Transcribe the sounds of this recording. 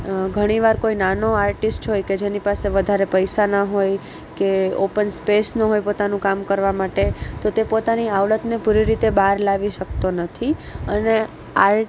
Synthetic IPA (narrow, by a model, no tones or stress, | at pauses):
ɡʱəɽ̃iʋaɾkoinanoaɾʈisʈɦojked͡ʒenipaseʋəd̪ʱaɾepəjsanaɦoj | keo̰pənspesnəɦojpot̪anũkamkəɾʋamaʈet̪ot̪epot̪aniaʋlət̪nepuɾiɾit̪ebaɾlaʋiʃək̚t̪onət̪ʰiəne | aɾ